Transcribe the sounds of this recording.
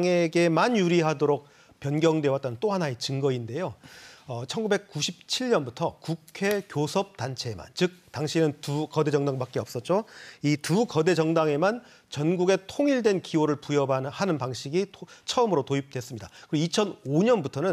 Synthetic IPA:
ŋe̞ɡe̞manjuɾiɦadoɾok̚ | pjʌnɡjʌŋdwe̞wat͈̚anɯnt͈oɦanaet͡ɕɯŋɡʌinde̞joʌt͡ɕʰʌnɡube̞k̚k͈uɕʰip̚t͡ɕʰiɭɲʌnbutʰʌkukʰe̞kjosʰʌp̚tant͡ɕʰe̞ma̰nt͡ɕɯk̚taŋɕʰinɯntukʌde̞d͡ʑʌŋdaŋbak͈e̞ʌp̚s͈ʌt̚t͡ɕ͈oitukʌde̞d͡ʑʌŋdaŋe̞man | t͡ɕʌnɡuɡe̞tʰoŋiɭdwe̞nkioɾɯɭpujʌbahanɯnpaŋɕʰiɡit͡ɕʰʌɯmɯɾotoip̚twe̞s͈ɯmɲidakɯɾit͡ɕʰʌnoɲʌnbutʰʌnɯn

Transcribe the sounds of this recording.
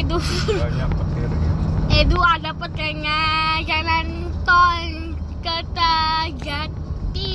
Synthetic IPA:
du | eduadapət̪̚əŋad͡ʒanant̪ɔn | kət̪əɡat̪i

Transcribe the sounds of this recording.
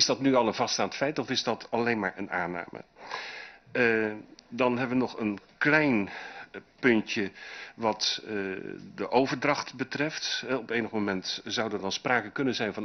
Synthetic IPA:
ɪzdɔtnyɑlˠənvɑstaːntfɛjtɔfɪzdɔtʰalejnmaːɹʔə̰na̰ːna̰ːmə̰ | dɑnɦɛbəʋənɔχənklɛjn | pɵntjəʋɑt | dəʔowvəɹdrɑxtbətrɛftɦɛɔpeːnəxmomɛntzawdɔdɑnspraːkəkɵnənzɛjnvɑn

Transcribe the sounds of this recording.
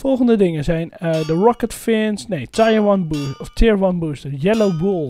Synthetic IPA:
fɔlˠχəndədɪŋəzɛjnədəɹɔkətfɛːnsnejtʰajwɔnbusɔftʰɪɹʋɔnbuːstəjɛlobulˠ

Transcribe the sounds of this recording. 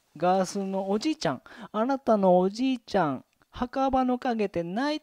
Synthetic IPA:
ɡaːsɨno̞ːd͡ʑiːt͡ɕãŋanat̪ano̞ːʑd͡ʑiːt͡ɕãŋ | hakabano̞kaɡe̞t̪e̞nai

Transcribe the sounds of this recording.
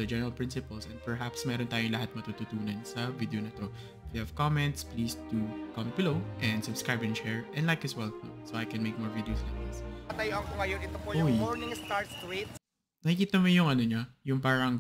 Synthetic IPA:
ɐd͡ʒɛnɛɹɐlpɹɪnsɪpɐlsɛ̃n̚pɛɹɦapsmɛːɾont̪aːjʊŋlɐhat̪̚mɐt̪ut̪ut̪uːnɐnsɐvid̪eonɐt̪o̞ | fihav̥kɔmɛ̃nt̪spliːst̪ukɐmɛnt̪bɪlowʔɛ̃nd̪sʊbskɹajbɛ̃nt͡ʃɛɹʔɛ̃nlajkɛswɛlno̰soʔajkɛ̃nmeɪk̚mɔɹvid̪ɛosɛnɪsɐt̪ɐjoʔɐŋkoŋɐjonɪt̪opojʊjoɹnɪ̃ŋst̪aɹst̪ɾit̪ | nɐkikiːt̪ɐmojʊŋʔɐnoɲajʊŋpaːɾɐŋ

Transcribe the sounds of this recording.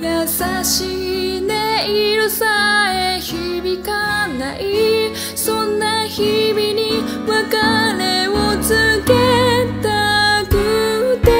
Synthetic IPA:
jasaɕid̪eiɾɯsaeçibikanaʔi | sõ̞nːaçibiɲi | βakaneot͡sɨket̪akɯt̪e

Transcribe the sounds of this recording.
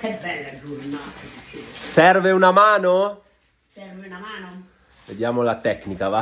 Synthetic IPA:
kebːɛlːad͡ʒurnat̪ad̪it͡ʃesɛrveunamaːno | sɛrveunamaːno | ved̪jaːmolat̪ɛkːnikava

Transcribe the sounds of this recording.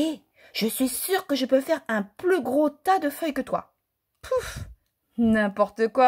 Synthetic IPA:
e | ʒ̥əsɥisyʁkəʒəpøfɛʁɛ̃plyɡʁot̪ad̪əfœjkət̪wa̰ | pʰuf | nɛ̃pɔʁt̪əkwa

